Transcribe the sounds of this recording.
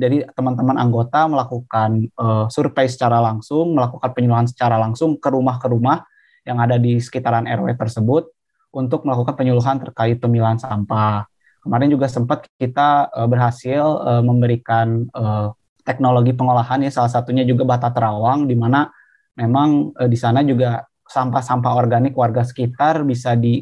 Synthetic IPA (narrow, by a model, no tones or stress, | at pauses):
d͡ʒadit̪əmant̪̬əmanʔa̰ŋɡot̪aməlakukanəsurpajs̬ə̥t͡ʃaɾalaŋsʊŋməlakukanpəɲuluɦansə̥t͡ʃaɾalaŋsʊŋkəɾumahkəɾumah | jaŋadadisə̥kit̪aɾanɛ̰rwɛt̪ərsəbʊt̪̚ | ʔunt̪ʊk̚məlakukanpəɲuluɦant̪ərkaɪt̪̚pəmilaɦansampa | kəmaɾɛnd͡ʒuɡasəmpat̪̚kit̪aəbərɦasɪləməmbəɾikanə | t̪ɛk̚noloɡipəŋolaɦanjasalahsat̪uɲad͡ʒuɡabat̪at̪əɾawaŋdimana | memaŋədisanad͡ʒuɡa | sampasampaorɡanɪkwarɡasə̥kit̪arbisadi